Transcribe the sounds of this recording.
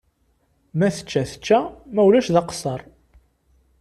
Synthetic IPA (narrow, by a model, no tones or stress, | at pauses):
mæθə̥t͡ʃːæθə̥t͡ʃːæmæwlæʃðɑqsˤəɾˤ